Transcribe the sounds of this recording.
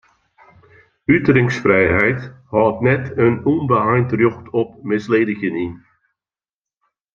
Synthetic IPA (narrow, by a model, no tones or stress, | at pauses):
ytrɪŋsfrɛjɦɛjthɔːtnɛtənunbəajntrøxtʰɔp̚mɪsleːdəɣənin